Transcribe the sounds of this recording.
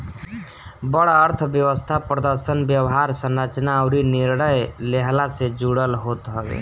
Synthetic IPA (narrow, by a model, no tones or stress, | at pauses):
bəɽaəɾt̪ʰbjəwəst̪ʰapɾəd̪əɾsənbjəwɦaɾsənɾat͡ʃnaːʊɾiniɾɽəjleɦlased͡ʒuɽəlɦot̪ɦəɡḛ